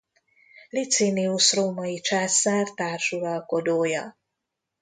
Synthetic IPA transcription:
lit̪siniuʃroːmɒit͡ʃaːsaːrt̪aːrʃuɾɒlko̞d̪oːjɒ̰

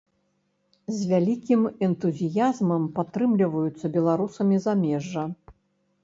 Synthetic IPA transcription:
zʲvʲalʲikʲimɛnt̪uzʲijazmɐmpat̪ɾɨmlʲivɐjut̪sːɐbʲɛlˠaɾusɐmʲizamʲɛʐːɐ

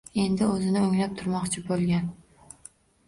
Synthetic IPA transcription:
e̞nd̪ɪɵzɪnɪoŋlap̚t̪ʰʊɾmɒqt͡ʃʰɪbolˠɡʲan

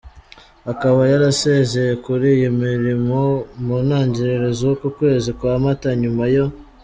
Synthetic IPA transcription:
akaβajaɾase̞ze̞je̞kuɾijimiɾimo̞munaːɲɟiɾeɾezokukwe̞ːzikwaːmataɲumajo̞

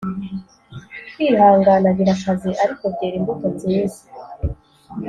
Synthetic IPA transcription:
twiːhaːŋɡanaɾiɾakaziʔaɾiko̞vɟeːɾimbutot͡seːza

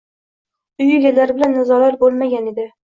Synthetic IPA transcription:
ʊjɪɡʲalaɾbɪlanːʊzɒlaɾbolˠmaɡʲane̞d̪ɪ

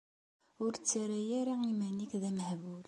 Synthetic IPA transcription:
ʊɾt͡sːaɾæjæɾaimænikðæməhbul

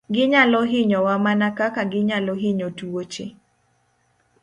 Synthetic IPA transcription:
ɡɪɲalɔɦɪɲɔwamanakakaɡɪɲalɔɦɪɲotuot͡ʃe

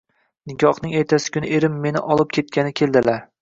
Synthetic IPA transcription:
nɪkʰʲɒχnɪŋeɾt̪ʰasɪ̥kʲʰʊnɪ̰ʔeɾɪmːe̞nɪ̰ʔɒlˠɪp̚kʲʰe̞t̪̚kʲʰanɪkʲʰe̞lˠd̪ɪlaɾ

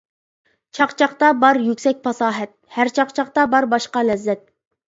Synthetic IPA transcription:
t͡ʃʰɑqt͡ʃʰɑχqt̪ɑbɑɾjykʲsɛk̚ʲpʰɑsɑːɦɛt̪̚hæɾt͡ʃʰɑqt͡ʃʰɑqt̪ɑbɑɾbɑʃqɑlɛzːɛt̪̚

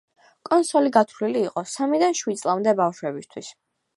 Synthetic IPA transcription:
kʼɔnsɔliɡat̪ʰliliːqʼɔsamid̪anʃwid̪̚sʼlˠamd̪ɛbafʃwɛbist̪ʰwis

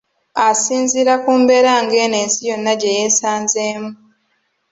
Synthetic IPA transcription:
asiːnziɾakuːmbe̞ɾaŋɡeːne̞ːnsijo̞nːaɟejeːsaːnzeːmu

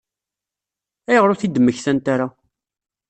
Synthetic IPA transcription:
æjəʁɾʊθid̪əmːəçθænt̪aɾa

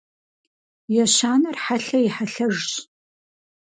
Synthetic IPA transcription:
jɛɕaːnɐrħaɬɐjɪħaɬɐʒɕ

